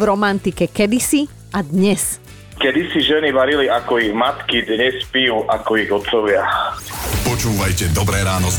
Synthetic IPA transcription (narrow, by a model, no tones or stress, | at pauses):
vɾɔmant̪ikɛkɛd̪isi | ad̪ɲɛs | kɛd̪isiʒɛniʋaɾiliakɔiɣmat̪kid̪ɲɛspijuːʔakɔiɣɔt̪sɔʋɪa | pɔt͡ʃuːʋajcɛd̪ɔbɾɛːɾaːnɔ